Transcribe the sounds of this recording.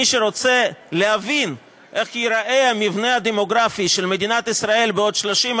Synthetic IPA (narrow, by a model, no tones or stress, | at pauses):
iʃeɾot͡seleɦavin | ʔe̞χjiɾaʔeamivnead̪emo̞ɡɾafiʃelmed̪inat̪isɾae̞lbeo̞d̪ʃloʃim